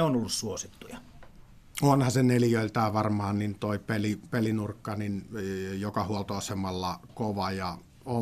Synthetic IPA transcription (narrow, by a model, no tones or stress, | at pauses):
eonolːussuosit̪ːujɑ | onhɑseneljøˑilt̪æːʋɑrmɑːnnint̪oipelipelinurkːɑninjokɑhuolt̪oɑsemɑlːɑkoʋɑjɑ | o